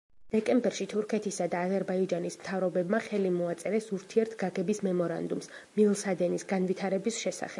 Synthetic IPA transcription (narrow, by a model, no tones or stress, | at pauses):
d̪̥ɛkʼɛmbɛɾʃit̪ʰuɾkʰɛt̪ʰisad̪aːzɛɾbaid͡ʒanismt̪ʰavɾɔbɛbmaχɛlimɔat̪sʼɛɾɛsuɾt̪ʰiɛɾt̪ʰɡaɡɛbismɛmɔɾa̰nd̪ums | milˠsad̪ɛnisɡanvit̪ʰaɾɛbisʃɛsa̰χɛb̥